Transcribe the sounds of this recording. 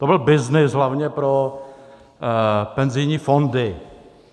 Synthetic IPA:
t̪obɪlbɪznɪsɦlavɲɛpɾo | pɛnzɪjɲiːfondɪ

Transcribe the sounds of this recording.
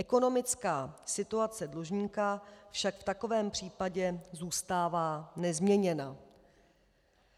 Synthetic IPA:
ʔɛko̞no̞mɪt͡skaːsɪt̪uat͡sɛdloʒɲiːkafʃakft̪ako̞vɛːmpr̝̥iːpaɟɛzuːst̪aːvaːnɛzmɲɛɲɛna

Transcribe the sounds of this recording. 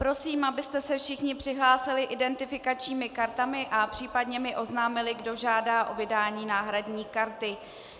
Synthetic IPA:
pɾo̞siːmʔabɪst̪ɛsɛfʃɪxɲɪpr̝̥ɪɦlaːsɪlɪʔɪdɛnt̪ɪfɪkat͡ʃɲiːmɪkaɾt̪amɪʔapr̥iːpadɲɛmɪʔo̞znaːmɪlɪɡdo̞ʒaːdaːʔo̞vɪdaːɲiːnaːɦɾadɲiːkaɾt̪ɪ

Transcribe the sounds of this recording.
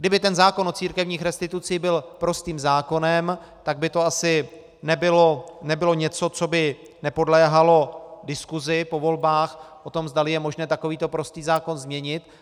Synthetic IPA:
ɡ̚dɪbɪt̪ɛnzaːko̞nʔot͡siːɾkɛvɲiːxɾɛst̪ɪt̪ut͡sɪjɪbɪlpɾo̞st̪iːmzaːko̞nɛm | t̪aɡ̚bɪt̪o̞asɪ | nɛbɪlonɛbɪlo̞ɲɛt͡so̞t͡so̞bɪ | nɛpo̞dlɛːɦalo̞dɪskuzɪpo̞vo̞lbaːxʔo̞t̪o̞mzd̪alɪjɛmo̞ʒnɛːt̪ako̞viːt̪o̞pɾo̞st̪iːzaːko̞nzmɲɛɲɪt̪

